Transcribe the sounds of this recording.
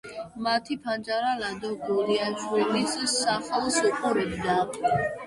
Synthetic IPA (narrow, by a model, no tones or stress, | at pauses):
mat̪ʰipʰand͡ʒaɾalad̪ɔɡɔliat͡ʃʰwɛlissaχɛlˠsuqʼɔɾɛbd̪a